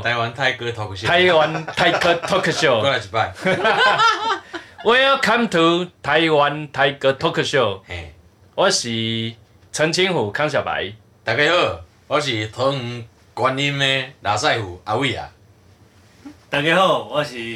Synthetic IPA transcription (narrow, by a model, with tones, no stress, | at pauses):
a˧jwa˧˦nt̪ʰa˧jkə˧t̪ʰo˧kt̪ʰa˧˦jwa˧nt̪ʰa˧jkʰə˦o˦kʰə˧ɕo˥˧˨o˦˧a˨t͡ɕi˨pa˧˨j | we˦a˦kʰa˦mt̪ʰu˧t̪ʰa˧jwa˧nt̪ʰa˧jkə˧t̪ʰo˦kʰə˧ɕo˥˧˨ | wa˦ɕi˨ | t͡sʰə˧ŋt͡ɕʰi˦ŋhu˨˩kʰa˦ŋɕ̬ja˨˩ba̰˨j | t̪a˨ke˧hə˦˧˨ | wa˦ɕ̬i˨t̪ʰo˧˦ŋ̩˧ | kwa˧ni˦me˧la˨sa˥˧˨jhu˨˩a˧wi˦˧˨a̰˨ | t̪a˨ke˧ho˦˧˨wa˦ɕi˨